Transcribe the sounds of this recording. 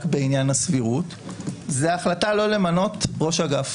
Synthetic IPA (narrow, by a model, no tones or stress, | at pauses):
kbeinjanasviʁut | zeaχlatalo̞le̞mano̞tʁo̞ʃaɡaf